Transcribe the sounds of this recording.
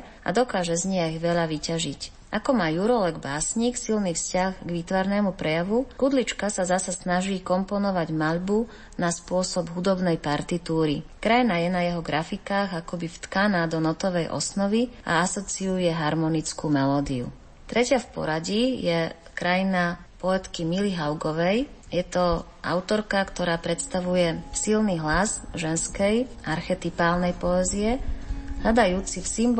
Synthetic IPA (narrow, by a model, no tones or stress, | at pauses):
ʔa̰d̪ɔkaːʒɛzɲɪɛɣʋɛʎaʋicaʒic | ʔakɔmaːjuɾɔlɛɡbaːsɲiːksilniːfscaxɡʋit̪ʋaɾnɛːmupɾɛjaʋukud̪lit͡ʃkasazasasnaʒiːkɔmpɔnɔʋaɟmaʎbu | naspʊɔsɔbɦud̪ɔbnɛjpaɾt̪it̪uːɾikɾajnajɛnajɛɦɔɡɾafikaːɣakɔbift̪kanaːd̪ɔnɔt̪ɔʋɛjʔɔ̰snɔʋia̰asɔt͡siujɛɦaɾmɔnit͡skuːmɛlɔːd̪iṵ | t̪ɾɛcɪafpɔ̰ɾaɟijɛ | kɾajina | pɔɛt̪kimiliɦaʊɡɔʋɛj | jɛt̪ɔ | ʔa̰ʊt̪ɔɾkakt̪ɔɾaːpɾɛt̪st̪aʋujɛsilniɦlazʒɛnskɛjʔaɾxɛt̪ipaːlnɛjpɔɛziɛɦʎad̪ajuːt͡sifsimb